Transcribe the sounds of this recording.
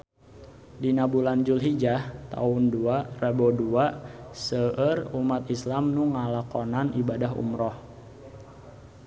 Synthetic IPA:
dinabuland͡ʒulɦid͡ʒaht̪a̰ʊnduaraboduasəərumat̪islamnuŋalakonanibadaɦṵmɾɔh

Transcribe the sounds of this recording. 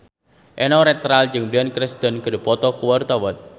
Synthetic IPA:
ʔɛnɔɾɛt̪ɾald͡ʒɨŋbiankɾɪst̪ənkədəpɔt̪ɔkuwɔrt̪ɔwɔt̪̚

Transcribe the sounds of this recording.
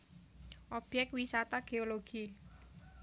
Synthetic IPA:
ʔɔb̥jɛk̚t̪̚wisat̪aɡ̥eoloɡ̥i

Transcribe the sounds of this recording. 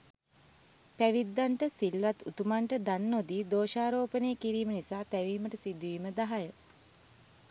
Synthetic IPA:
pæʋid̪ːaɳʈəsilʋat̪ut̪umaɳʈəd̪anːod̪iːd̪oːʃaːɾoːpəneːəkiɾiːmənisaːt̪æʋiːməʈəsid̪uʋiːməd̪aɦajə

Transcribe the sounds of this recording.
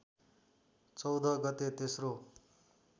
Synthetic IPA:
t͡sʌwd̪ʱʌɡʌt̪et̪esro

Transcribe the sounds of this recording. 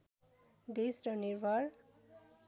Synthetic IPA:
d̪esɾʌniɾbʱʌɾ

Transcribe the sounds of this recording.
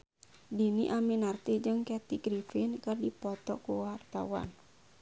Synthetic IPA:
diniʔaminart̪id͡ʒɨŋkɛt̪iɡɾifinkardipɔt̪ɔkuwart̪a̰wa̰n

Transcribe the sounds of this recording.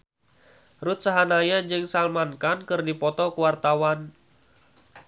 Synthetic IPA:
rut̪̚saɦanajad͡ʒɨŋsalmankankɨrdipɔt̪ɔkuwart̪awan

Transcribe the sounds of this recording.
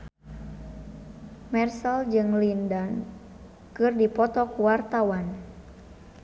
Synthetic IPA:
mɛrsəld͡ʒɨŋlindɔn | kɨrdipɔt̪ɔkuwart̪awan

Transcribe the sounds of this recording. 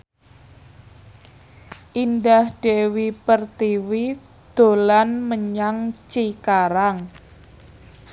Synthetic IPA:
ʔindahɖ̥ewipərt̪iwi | d̪̥o̤lanməɲaŋt͡ʃikaɾaŋ

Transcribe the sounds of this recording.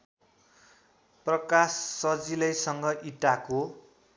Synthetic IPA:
prʌkasːʌd͡zilʌjsʌŋɡʌʔiʈako

